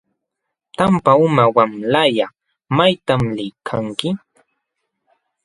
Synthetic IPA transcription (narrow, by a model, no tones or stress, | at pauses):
t̪ampaʊmawamlaja | majt̪amlɪkʰaŋkɪ